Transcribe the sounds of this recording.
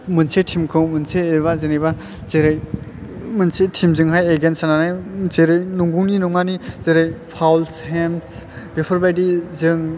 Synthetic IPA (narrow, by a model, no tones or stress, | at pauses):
mɯnsetʰimkʰɯwmɯnseːβazenijba | zeɾɯj | mɯnsetʰimzɯŋɦajeɡensananajzeɾɯjnuŋɡuwninɔŋanizeɾɯjpʰawlsɦems | bepʰɯɾbajdizɯŋ